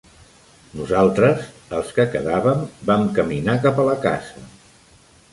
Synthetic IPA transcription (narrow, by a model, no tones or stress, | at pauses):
nuzalˠt̪ɾəz | əlˠskəkəðaβəmbamkəminakapələka̰zə